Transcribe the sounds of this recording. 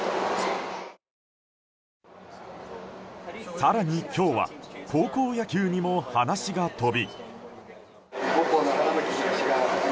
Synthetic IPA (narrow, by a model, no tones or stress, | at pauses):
saɾaɲ̟ikʲo̞ːβa̰kʰo̞ːko̞ːjakʲɨːɲ̟imo̞hanaɕiɡat̪o̞bʲi | ɡokonak̪aɾamekʲiiɕiɡa